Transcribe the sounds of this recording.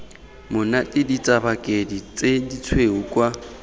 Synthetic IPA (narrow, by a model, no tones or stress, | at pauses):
mʊnatʼidit͡sʼabakʼedit͡sʼedit͡sʰweɦukʼwa